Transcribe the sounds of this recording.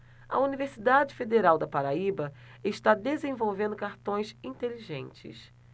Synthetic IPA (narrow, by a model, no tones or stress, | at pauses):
ɐ̰univeɾsid̪ad͡ʒɪfed̪eɾawd̪ɐpaɾaibɐ | ɪʃt̪ad̪ezẽvowvẽnd̪ʊkaɾt̪õj̃sĩt̪eliʒḛ̃nt͡ʃɪ̰s